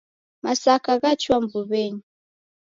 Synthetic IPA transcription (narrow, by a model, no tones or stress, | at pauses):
masakaɣat͡ʃwambuβɛɲi